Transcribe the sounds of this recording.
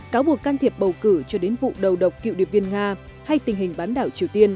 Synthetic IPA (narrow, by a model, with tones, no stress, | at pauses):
kaː˨˦wɓu˨˩əkːaː˧nt̪ʰi˨˩əp̚ɓə˨˩wkɨ˧˩t͡ɕɔ˧ɗe˨˦nvṵ˧˨ɗə˨˩wɗə˨˩wk͡p̚ki˧˨wɗḭ˧˨ənvi˧ənŋaː˧ | ha˧jt̪ï˨˩ŋ̟ɦï˨˩ŋ̟ɓaː˨˦nɗaː˧˩wt͡ɕi˨˩əwt̪i˧ən